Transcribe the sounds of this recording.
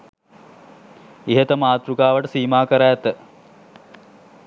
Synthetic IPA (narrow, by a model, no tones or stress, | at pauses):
iɦət̪əmaːt̪ɾukaːʋəʈəsiːmaːkəɾajːt̪ə